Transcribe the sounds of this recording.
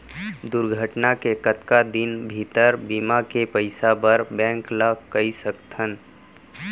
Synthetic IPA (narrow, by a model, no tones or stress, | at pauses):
d̪ʊɾɡʱəʈnakekət̪kad̪ɪnbʱit̪əɾbiːmakepəɪsabəɾbɛ̃ːŋklakɐisəkt̪ʰən